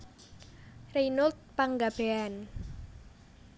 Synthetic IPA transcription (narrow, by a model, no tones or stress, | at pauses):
rejnʊlt̪̚paŋɡab̥ean